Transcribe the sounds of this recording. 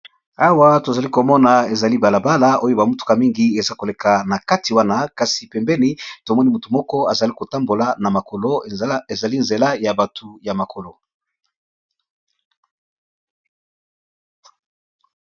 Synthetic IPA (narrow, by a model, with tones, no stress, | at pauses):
a˦wa˦to˨za˨li˦ko˨mɔ˦na˨e˨za˨li˦ba˨la˨ba˦la˦o˦jo˦ba˨mu˦tu̥˨˦ka˨mi˦ŋɡi˨˦e˨za˦ko˨le˨ka˨na˨ka˦ti˨wa˦na˦ka˨si˨pɛ˨mbɛ˦ni˦to˨mɔ˦ni˦mu˨tu˨mɔ˦kɔ˦a˨za˨li˦ko˨ta˦mbo˨la˨na˨ma˨ko˨lo˦e˨za˨li˦nze˨la˦ja˨ba˨tʰu˨ja˨ma˨kʰo˨lo˨